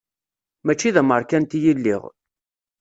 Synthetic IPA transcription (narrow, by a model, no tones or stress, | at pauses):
mæt͡ʃːiðæməɾˤkænt̪ijilːḭʁ